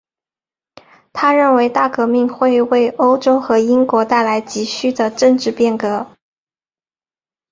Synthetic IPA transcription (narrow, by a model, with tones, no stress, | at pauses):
t̪ʰa˥ɻə˥˩nwe˧˥ɪt̪a˥˩kɤ˧˥mi˥˧ŋxwe˥˧ɪwe˥˧ɪo˥ʊʈ͡ʂo˥ʊxɤ˧˥i˥ŋkwɔ˧˥t̪a˥˩ɪla˧˥ɪt͡ɕi˧˥ɕy˥˩d̪ə˩ʈ͡ʂɤ˥˧ŋʈ͡ʂɻ̩˥˧pjɛ˥˩nkɤ˧˥